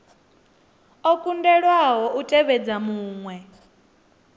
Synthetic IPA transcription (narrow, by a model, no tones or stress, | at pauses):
ɔkʼundɛɺwaɦɔʔutʼɛβɛd͡zamuːŋwɛ